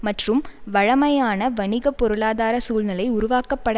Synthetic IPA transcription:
mɐʈrɯmʋɐɻɐmɐjaːnɐʋɐɳɪɣɐpːɔɾɯɭaːðaːɾɐsuːlnɐlɐɪʊɾʊʋaːkɐpːɐɽɐ

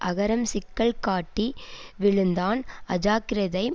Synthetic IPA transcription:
ʔɐɣɐɾɐmsɪkːɐɭkaːʈːi | ʋɪɭɯnd̪aːnɐd͡ʒaːkɪɾɐðɐɪ

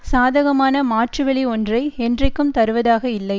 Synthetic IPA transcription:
saːðɐɣɐmaːnɐmaːʈrɯʋɛɭiɔndrɐɪɛndrɐɪkːɯmt̪ɐɾɯʋɐðaːɣɐɪlːɐɪ

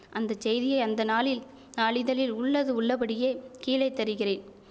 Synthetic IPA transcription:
ʔɐnd̪ɐt͡ʃɛjðɪjɐɪɐnd̪ɐnaːɭɪl | naːɭɪðɐlɪlʊɭːɐðɯʊɭːɐpɐɽɪjeːkiːlɐɪt̪ːɐɾɯɣɪreːn

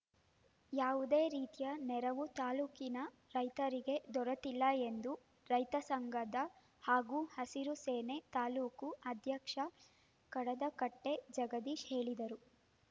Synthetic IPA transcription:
jaːʋud̪e̞ːɾiːt̪ijɐnɛɾɐʋut̪aːluːkinɐ | ɾɐjt̪ɐɾiɡe̞d̪ɔɾɐt̪ilːɐe̞nd̪u | ɾɐjt̪ɐsɐŋɡɐd̪ɐ | haːɡuːhɐsiɾuseːne̞t̪aːluːkuɐd̪ʱjɐkʂɐ | kɐɽɐd̪ɐkɐʈːe̞d͡ʒɐɡɐd̪iʃhe̞ːɭid̪ɐɾu

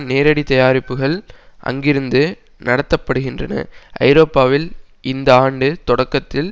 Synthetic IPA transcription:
neːɾɐɽit̪ɐjaːɾɪpːɯɣɐɭʔɐ̰ŋɡɪɾɯnd̪ɯ | nɐɽɐt̪ːɐpːɐɽɯɣɪndrɐ̰nɐ̰ʔɐ̰ɪɾoːpːaːʋɪl | ɪnd̪ɐaːɳɖɯt̪ɔɽɐkːɐt̪ːɪl

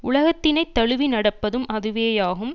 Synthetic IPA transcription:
ʊɭɐɣɐt̪ːɪnɐɪt̪ːɐɻɯʋinɐɽɐpːɐðɯmʔɐðɯʋeːjaːɣɯm

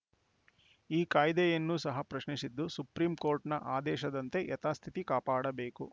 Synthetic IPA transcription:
iːkaːjd̪ɛjɐnːuːsɐɦɐpɾɐʃnisid̪ːusupɾiːmko̞ːɾʈnɐʔaːd̪ɛːʃɐd̪ɐnt̪e̞ʔɛt̪aːst̪ʰit̪ikaːpaːɽɐbeːku

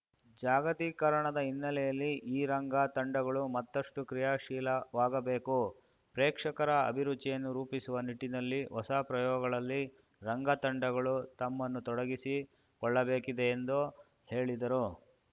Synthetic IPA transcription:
d͡ʒaːɡɐt̪iːkɐɾɐɳɐd̪ɐinːɐlɛjɐlːiʔiːɾɐŋɡaːt̪ɐɳɖɐɡɐɭumɐt̪ːɐʂʈukɾijaːʂiːlɐʋaːɡɐbe̞ːku | pɾeːkʂɐkɐɾɐɐ̰bʱiɾud̪t͡ʃːijɐnːuɾuːpisuʋɐniʈːinɐlːiʋɔsaːpɾɐjɔːɡɐɡɐɭɐlːi | ɾɐŋɡɐt̪ɐɳɖɐɡɐɭut̪ɐmːɐnːut̪ɔɽɐɡisi | kɔɭːɐbe̞ːkid̪eːnd̪u | he̞ːɭid̪ɐɾu

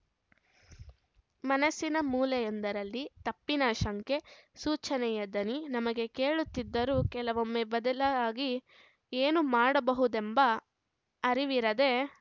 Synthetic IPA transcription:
mɐnɐsːinɐmuːlɛjond̪ɐɾɐlːit̪ɐpːinɐʃɐŋke̞suːt͡ʃɐnɛjɐd̪ɐninɐmɐɡe̞ke̞ːɭut̪ːid̪ːɐɾuːkɛlɐʋomːebɐd̪ɐlɐaːɡi | eːnumaːɽɐbɐɦud̪embɐ | ɐɾiʋiɾɐd̪e̞

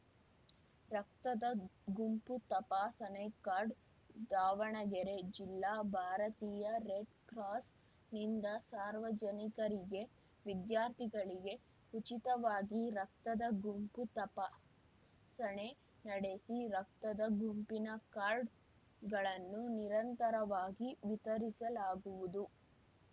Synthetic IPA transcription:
ɾɐk̚t̪ɐd̪ɐɡumput̪ɐpasɐnekaːɾɖ | d̪aːʋɐɳɐɡɛɾe̞d͡ʒilːaːbʱaːɾɐt̪iːjɐɾeɖkɾaːs | nind̪ɐsaːɾʋɐd͡ʒɐnikɐɾiɡe̞ | ʋid̪jaːɾt̪ʰiɡɐɭiɡe̞ | ut͡ʃit̪ɐʋaːɡiɾɐk̚t̪ɐd̪ɐɡumput̪ɐpɐ | sɐɳe̞ | nɐɽe̞siɾɐk̚t̪ɐd̪ɐɡumpinɐkaːɾɖ | ɡɐɭɐnːuniɾɐnt̪ɐɾɐʋaːɡiʋit̪ɐɾisɐlaːɡuʋud̪u

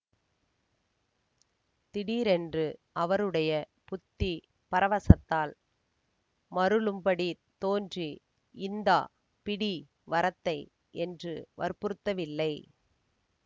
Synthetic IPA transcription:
t̪ɪɽiːɾɛndrɯʔɐʋɐɾɯɽɐjɐ | pʊt̪ːi | pɐɾɐʋɐsɐt̪ːaːl | mɐɾɯɭɯmpɐɽi | t̪oːndri | ɪnd̪aː | pɪɽi | ʋɐɾɐt̪ːɐɪ | ɛndrɯʋɐ̰ɾpɯɾɯt̪ːɐʋɪlːɐɪ

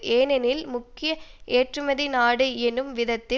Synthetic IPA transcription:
ʔeːnɛnɪlmʊkːɪjɐʔeːʈrɯmɐðinaːɽɐɪɛnɯmʋɪðɐt̪ːɪ

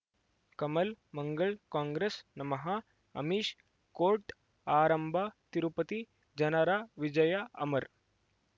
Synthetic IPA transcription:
kɐmɐlmɐŋɡɐɭkãːŋɡɾesnɐmɐɦɐ | ɐ̰miːʃ | koːɾʈ | aːɾɐmbʱɐt̪iɾupɐt̪i | d͡ʒɐnɐɾaʋid͡ʒɐjɐɐ̰mɐɾ

